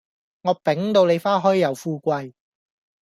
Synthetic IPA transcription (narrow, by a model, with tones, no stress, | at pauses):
ŋɔː˨˧˥pɪ˨˥ŋt̪o˧wne˨˧jfaː˥ɦɔː˥jjɐ˨wfuː˧kʷɐ˧j